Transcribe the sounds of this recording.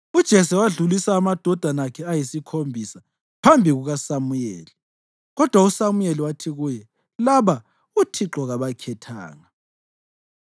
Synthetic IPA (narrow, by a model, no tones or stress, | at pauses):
ud̥ʒ̥ʱɛsɛwaɮulisaːmad̥ʱɔd̥ʱanakʰɛajisikʰombʱisa | pʰambʱiɣuɣasamujeːli | ɣɔd̥ʱwausamujeliwatʰiɣuːjɛ | laβa | utʰiǁɔɣaβakʰɛtʰa̰ːŋa